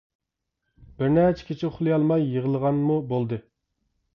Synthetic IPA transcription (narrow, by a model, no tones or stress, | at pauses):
b̥ɪɾnæt͡ʃʰɛ̥kʲʰit͡ʃʰɪʊχlˠɨjɑlˠmɑjːəʁəlˠəʁɑnmubolˠd̪ɨ